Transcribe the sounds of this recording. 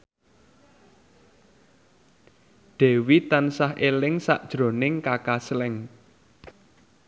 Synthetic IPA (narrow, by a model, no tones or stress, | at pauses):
ɖ̪̥ɛ̤wit̪ansahʔelɪŋsa̰ʔd̥ʒ̥ɾo̤nɪŋkakaslɛŋ